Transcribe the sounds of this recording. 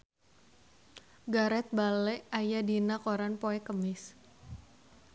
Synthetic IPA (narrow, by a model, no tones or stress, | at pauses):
ɡaɾɛt̪̚balɛʔajadinakoɾanpoɛkəmɪs